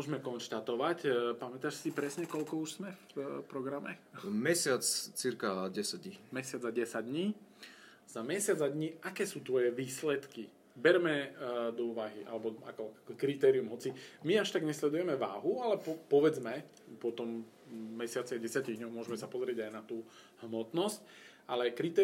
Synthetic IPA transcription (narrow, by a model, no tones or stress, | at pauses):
mʊɔʒmɛkɔnʃt̪at̪ɔʋacpamɛt̪aːʃsipɾɛsɲɛkɔʎkɔuʃz̥mɛfpɾɔɡɾamɛ̰mɛsɪat͡st͡siɾkaɟɛsaɟ̚ɲimɛsɪad͡zaɟɛsaɟ̚d̪ɲiː | z̥amɛsɪad͡zad̪ɲiakɛːsuːt̪ʋɔjɛʋiːslɛt̪ki | bɛɾmɛd̪ɔuʋaɦiʔa̰lɛbɔa̰kɔkɾit̪ɛːɾiumɦɔt͡simiaʃt̪aɡɲɛslɛd̪ujɛmɛʋa̰ːɦualɛpɔpɔʋɛd͡zmɛ | pɔt̪ɔmː | ɛsɪat͡siaɟɛsɪaciɣdɲɔɦmʊɔʒɛmɛsapɔzɾɪɛɟajnat̪uː | hmɔt̪nɔsc̚ | alɛkɾit̪ɛ